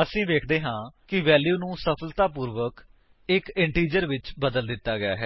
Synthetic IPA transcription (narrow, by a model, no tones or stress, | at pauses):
əsĩːʋeːkʰd̪eːɦãːkɪʋɛːljuːnũːsəpʰəlt̪aːpuːɾʋək | ɪkɪɳʈiːd͡ʒəɾʋɪt͡ʃbəd̪əld̪ɪt̪ːaːɡɪjaːɦɛː